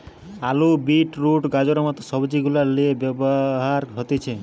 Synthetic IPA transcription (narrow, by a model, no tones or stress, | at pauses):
alubiʈɾuʈɡad͡ʒɔɾɔmɔt̪ɔsɔbd͡ʒiɡulaɾleebjɔbɔɦaɾɦɔt̪it͡ʃʰe